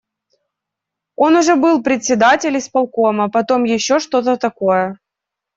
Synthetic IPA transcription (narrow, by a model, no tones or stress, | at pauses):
o̞nʊʐɛbɨlˠpɾʲɪt̪ʲsʲɪd̪atʲɪlʲɪspɐlˠko̞məpɐt̪o̞mjɪɕːo̞ʂt̪o̞t̪ət̪ɐkojə